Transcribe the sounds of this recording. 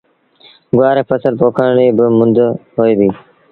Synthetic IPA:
ɡʊʋaːɾeːpʰəsəlpoːkʰəɳɽiːbɪmʊnd̪ʱɦoːeːbiː

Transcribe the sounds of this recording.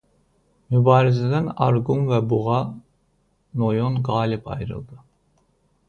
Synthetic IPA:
mybɑːɾizæd̪ænɑɾɡunvɛbuʁɑ | nojonɡɑːlipʰɑ̰jɾɯ̰lˠd̪ɯ

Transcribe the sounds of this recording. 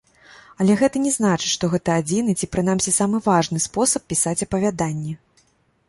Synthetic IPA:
ɐlʲɛɣɛt̪ɐnʲɛznat͡ʂɨ̥tʲʂt̪ɔɣɛt̪ɐad͡zʲinɨt͡sʲipɾɨnamʲsʲisamɨvaʐnɨspɔsɐpʲːisat͡sʲɐpɐvʲad̪anʲːɛ

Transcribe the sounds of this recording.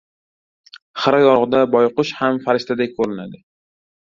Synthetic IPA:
χɨɾajɒɾʁɨd̪abɒjqʊʃhamfaɾɪʃt̪ʰad̪akʲkʰɵɾɪna̰d̪ɪ

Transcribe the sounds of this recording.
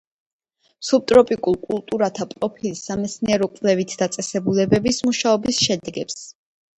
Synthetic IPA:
sup̚t̪ʼɾɔpʼikʼulˠkʼulˠt̪ʼuɾat̪ʰapʼɾɔpʰilisamɛt̪sniɛɾɔkʼvlɛvit̪ʰd̪at̪sʼɛsɛbulɛbɛbismuʃaɔbisʃɛd̪ɛɡɛps

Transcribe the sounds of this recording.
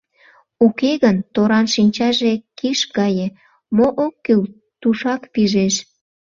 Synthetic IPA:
ukeɣənt̪oɾɑnʃinʲt͡ɕɑʒekiʃɡɑje | moʔokːyl | t̪uʃɑkpiʒeʃ

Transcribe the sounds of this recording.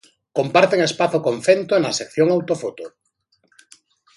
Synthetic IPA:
kompaɾt̪eŋespaθokõɱfent̪onasekθjoŋawt̪ofot̪o

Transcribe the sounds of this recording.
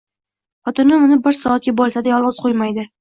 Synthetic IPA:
χɒt̪ɪnɪmʊnɪbɪɾsɒat̪̚kʲabɒlˠsad̪ajɒlˠɒz̥qʰojmajd̪ɪ

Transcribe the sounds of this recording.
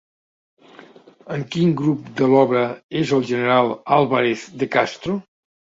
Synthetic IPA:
əŋkiŋɡɾup̚d̪əlɔβɾəezəlˠʒənəɾalˠalˠβaɾeθd̪əkast̪ɾo

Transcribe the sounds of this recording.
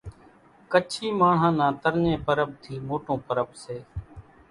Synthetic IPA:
kət͡ʃʰiːmaːɳ̤ãːnãːt̪əɾɲẽːpəɾəb̚t̪ʰiːmoːʈõːpəɾəbseː

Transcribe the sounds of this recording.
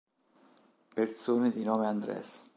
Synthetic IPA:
pert̪soːned̪inɔːmeand̪ɾɛ̰s

